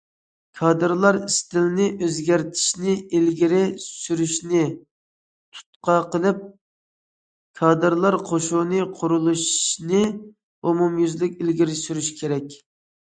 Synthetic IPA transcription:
kʰɑd̪ɨɾlˠɑɾist̪ɪlnɪʔøzɡʲæɾt̪ʰi̥ʃnɪilɡʲiɾɪsyɾyʃnɪ | t̪ʰu̥t̪̚qɑqʰəlˠɨp̚ | kʰɑːd̪ɨɾlˠɑɾqʰoʃunɨqʰʊɾulˠuʃnɪ | umumjyzlykʲilɡʲiɾɪsyɾyʃkʲʰeɾɛkʲ

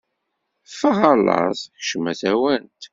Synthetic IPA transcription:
fəʁɑlɑ̰ðˤçʃəmæθæwænt̪

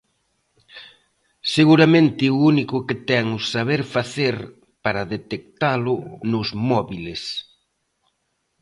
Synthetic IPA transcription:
seɣuɾamẽnt̪ɪuunikʊket̪ɛŋʊsaβeɾfaθeɾ | paɾɐðet̪ek̚t̪alʊnʊzmɔβiles

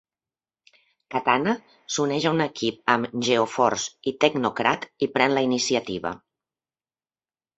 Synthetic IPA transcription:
kat̪ana | sunɛʒaunəkip̚əmʒeofɔ̰ɾsit̪əɡnukɾat̪ipɾɛnləinisiət̪iβə̰

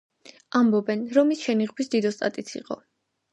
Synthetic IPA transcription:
ambɔbɛnɾɔmisʃɛniʁbisd̪id̪ɔst̪ʼa̰t̪ʼit̪sʰḭqʼɔ̰

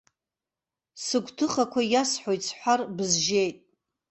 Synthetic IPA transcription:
sɨɡʷtʰɨχakʷʰajasħojt͡sʰħʷarbɨzʒe̞jtʼ

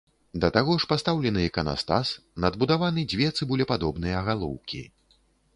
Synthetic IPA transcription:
d̪ɐt̪aɣɔʂpast̪awlʲɛnɨjɛkɐna̰st̪a̰snɐd̪bud̪avanɨd͡zʲvʲjɛt̪sɨbulʲɛpad̪ɔbnɨjɐɣalˠɔ̰wkʲḭ

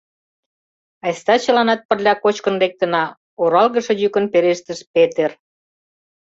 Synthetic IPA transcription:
ɑjst̪ɑt͡ɕə̆lɑnɑt̪̚pərlʲɑkot͡ɕkə̆nlek̚t̪ə̆nɑ | oɾɑlɣəʃɤ̆jykə̆npeɾeʃt̪ə̆ʃpet̪er

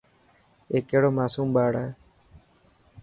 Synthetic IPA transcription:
eːkeːɽoːmaːsuːmɓaːɽae

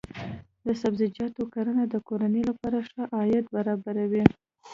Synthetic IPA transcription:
d̪əsabzɪd͡ʒɑt̪okaɾanad̪əkoɾanəlapɑɾaʂaʔɑjat̪̚baɾɑbaɾawi

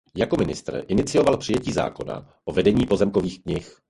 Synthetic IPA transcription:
jako̞mɪnɪ̰st̪r̩ʔɪnɪt͡sɪo̞valpr̥ɪjɛciːza̰ːko̞̰na̰ | ʔo̞vɛdɛɲiːpo̞zɛmko̞viːxkɲɪx

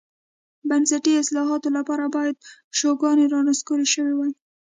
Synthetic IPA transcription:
bansaʈiɪslɑɦɑt̪olapɑɾabɑjad̪̚ʃoɡɑneɾɑnaskoɾeʃəwewij

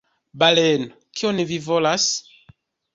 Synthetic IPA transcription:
baleno | kionevivolas

